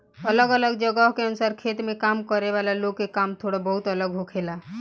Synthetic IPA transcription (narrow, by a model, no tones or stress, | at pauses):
ələɡələɡd͡ʒəɡəɦkeənʊsaːɾkʰeːt̪mẽkaːmkəɾeʋaːlaloːɡ̚kekaːmt̪ʰoːɽabəɦʊt̪ələɡɦokʰelaː